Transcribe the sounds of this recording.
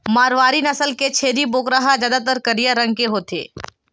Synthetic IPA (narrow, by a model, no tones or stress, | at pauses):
maːɾʋaːɾinɐsəlket͡ʃʰeːɾiboːkɾaɦazjaːd̪at̪̬əɾkəɾijaɾɐ̃ŋɡ̚keɦoːt̪ḛː